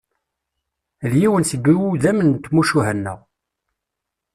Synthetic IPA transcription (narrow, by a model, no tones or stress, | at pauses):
ljiwənsəɡʷːiwuðæmənt̪ːmuʃuɦænːæ̰